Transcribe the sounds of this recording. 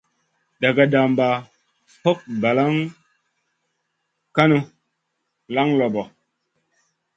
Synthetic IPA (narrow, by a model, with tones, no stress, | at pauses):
da˨ɡa˨da˨mba˨ | ho˦k̚ba˨la˦ŋ | ka˦nu˦ | la˦ŋlɔ˨bɔ˨